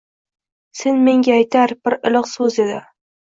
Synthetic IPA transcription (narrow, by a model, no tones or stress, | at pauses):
senme̞ŋɡʲaːjt̪ʰaɾb̥ɪɾɪlˠɨqsɵzed̪ɪ